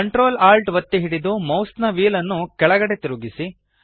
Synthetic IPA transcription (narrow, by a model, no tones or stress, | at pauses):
ɐɳʈɾoːlaːlʈʋɐt̪ːiɦiɽid̪umɐwst̪nɐʋiːlɐnːukɛɭɐɡɐɽet̪iɾuɡisi